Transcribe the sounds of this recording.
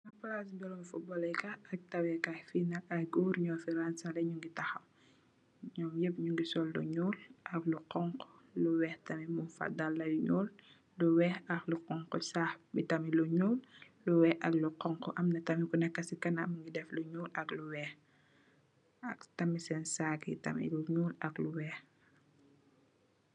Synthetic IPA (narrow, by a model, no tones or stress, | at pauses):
nɐplasbɛlɔmfubɔlɛjkɐɐk̚tɐwɛkafinɐkɐjɡuːɾɲɔːfiɾansɐlɐɲuŋɡitɐxɐm | ɲɔːmjəp̚ɲuŋɡisɔldṵɲuːlʔɐkluqɔŋqluwɛhtɐmimufa̰dalːɐjuɲuːl | luwɛːhɐxluqɔŋqɔsaxbitɐmiluɲuːlː | uwɛːʔɐkluqɔŋkɔʔɐmnɐtɐmikunɛkːɐsikɐnɐmŋɡidɛfluɲuːlɐkluwɛ | ɐktɐmisɛnsakḭtɐ̰mḭluɲuːlɐkluwɛːh